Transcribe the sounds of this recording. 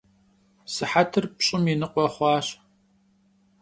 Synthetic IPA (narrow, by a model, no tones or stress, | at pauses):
sɨħatʰɨrpɕʼɪminɨqʷʼɔχʷɑːɕ